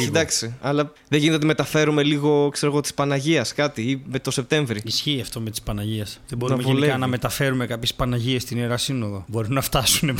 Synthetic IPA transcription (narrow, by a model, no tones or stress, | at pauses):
sid̪ɐksiɐlɐ | ðeʝinet̪ot̪ime̞t̪ɐfe̞ɾume̞liɣo̞kse̞ɾo̞ɣo̞t̪ispɐnɐʝiɐskɐt̪iime̞t̪o̞se̞p̚t̪e̞ɱvɾiisçiːɐft̪o̞met̪i̥spɐnɐʝiɐsðebo̞ɾɐmepʝelikɐnɐme̞t̪ɐfe̞ɾume̞kɐpçespɐnɐʝiest̪ineɾɐsino̞ðo̞bo̞ɾunːɐft̪ɐsune